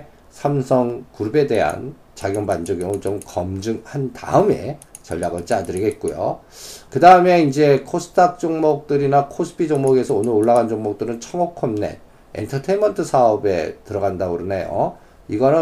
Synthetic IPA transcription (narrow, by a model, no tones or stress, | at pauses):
sʰamsʰʌŋkuɾube̞de̞ɦa̰n | t͡ɕaɡjʌŋband͡ʑʌɡjʌŋɯt͡ɕomkʌmd͡ʑɯŋhanta̰ɯme̞̰t͡ɕʌ̰ʎːaɡɯɭt͡ɕ͈iadɯɾiɡe̞t̚k͈ojo̰ | kɯdaɯme̞ind͡ʑe̞kʰosʰɯ̥tʰak̚t͡ɕ͈oŋmʌk̚t͈ɯɾinakʰosʰɯ̥pʰid͡ʑoŋmoɡe̞sʰʌonɯɾoɭːaɣand͡ʑoŋmok̚t͈ɯɾɯnt͡ɕʰʌŋʌkʰʌmne̞̰ | ḛntʰʌtʰemʌntʰɯsʰaʌbe̞̰tɯɾʌɡandaɡɯɾʌnejo̰ | iɡʌnɯ